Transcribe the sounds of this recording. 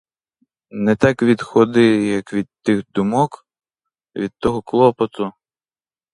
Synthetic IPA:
nɛt̪ɑkʋʲid̪xɔd̪ɪjɐkʋʲid̪̚t̪ɪxd̪ʊmɔk | ʋʲid̪̥̚t̪ɔɦɔklˠɔpɔt̪ʊ

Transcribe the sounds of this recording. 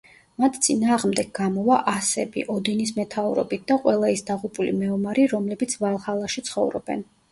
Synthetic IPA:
mat̪ʰt̪sʼinaːʁmd̪ɛɡ̚ɡamɔvaʔasɛbḭʔɔd̪ɛnismɛt̪ʰauɾɔ̰bit̪̚ʰd̪aqʼwɛlˠaisd̪aʁupʼulimɛɔmaɾiɾɔmlɛbit̪sʰvalˠhalˠaʃit̪sʰχɔ̰vɾɔ̰b̥ɛ̰n

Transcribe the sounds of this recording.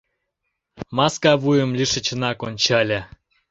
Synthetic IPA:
mɑskɑβujə̆mlʲiʃə̆t͡ɕənɑkonʲt͡ɕɑlʲe

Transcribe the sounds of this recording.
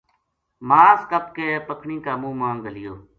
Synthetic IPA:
maːskəp̚keːpəkʰɳĩːkaːmũːmãːŋɡəlɪjoː

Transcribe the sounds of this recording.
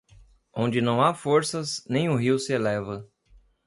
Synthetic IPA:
õnd͡ʒɪnɐ̃w̃afoɾsɐznẽj̃ʊɦiwsɪelɛvɐ

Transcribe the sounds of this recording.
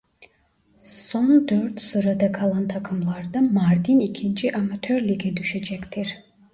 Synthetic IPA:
sɔnd̪øɾt̪ʰsɨɾad̪akʰalˠant̪ʰakʰɯmlˠɑɾd̪amaɾd̪inikʰint͡ʃʰiʔamat̪ʰœɾliɡɛd̪yʃɛd͡ʒɛkt̪ʰiɾ

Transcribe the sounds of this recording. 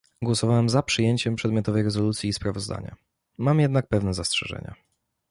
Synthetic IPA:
ɡwɔsɔvawɛmzapʂɘjeɲt͡ɕɛmpʂɛd̪mʲjɔt̪ɔvɛjɾɛzɔlut̪sʲjiːspɾavɔzd̪a̰ɲa̰ | mamjɛd̪nak̚pɛvnɛzastʂɛ̰ʐɛ̰ɲa̰

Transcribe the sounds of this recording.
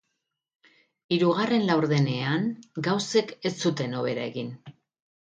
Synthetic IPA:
iɾuɣare̞nlawɾðe̞ne̞aŋɡawse̞ke̞st͡sːut̪e̞no̞β̞e̞ɾae̞ɣin

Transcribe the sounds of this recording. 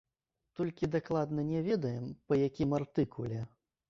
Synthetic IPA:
t̪ɔlʲkʲid̪aklˠad̪nɐnʲɛvʲɛd̪ɐjɛmpɐjakʲimart̪ɨkulʲɛ

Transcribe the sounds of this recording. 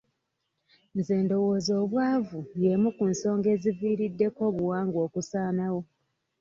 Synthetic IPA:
nzeːndo̞woːzoːβwaːvujemukunso̞ːŋɡe̞ːziviːɾidːe̞ko̞ːβuwaːŋɡo̞ːkusaːnawo̞

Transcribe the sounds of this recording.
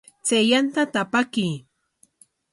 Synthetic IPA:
t͡sejant̪at̪apaki

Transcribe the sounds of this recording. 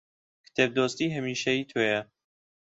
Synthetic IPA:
kʰɨ̥t̪ʰeb̚d̪oːst̪iːɦəmiːʃɐiːt̪ʰoːjɐ

